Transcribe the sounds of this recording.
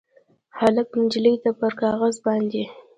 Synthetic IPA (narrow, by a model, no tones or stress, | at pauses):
halapɪnd͡ʒləjt̪apəɾkɑɣazbɑnd̪e